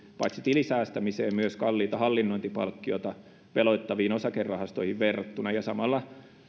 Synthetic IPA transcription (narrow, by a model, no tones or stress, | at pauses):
pɑ̰it̪sit̪ilisæːst̪æmiseːmmyøskɑlːiːt̪ɑhɑlːinːoint̪ipɑlkːiot̪ɑ | ʋeloit̪ːɑʋiːnosɑkerːɑhɑst̪oihiʋʋerːɑt̪ːunɑjɑsɑmɑlːɑ